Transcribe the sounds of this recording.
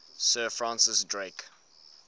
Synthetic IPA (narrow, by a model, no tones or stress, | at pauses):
sɜːfɹãnsɪsdɹek